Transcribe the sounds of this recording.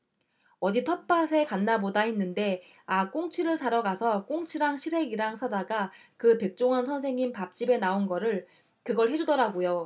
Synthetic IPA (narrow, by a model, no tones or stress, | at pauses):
ʌditʰʌp͈asʰe̞kanːabodaɦenːɯnde̞ | ak͈oŋt͡ɕʰiɾɯɭt͡ɕaɾʌɡasʰʌk͈oŋt͡ɕʰiɾaŋɕʰiɾe̞ɡiɾaŋsʰadaɡa | kɯte̞k̚t͡ɕ͈oŋɦansʰʌns̬ʰe̞ŋinpap̚t͡ɕ͈ibe̞naonɡʌɾɯɭ | kɯɡʌɭɦe̞d͡ʑudʌɾaɡojo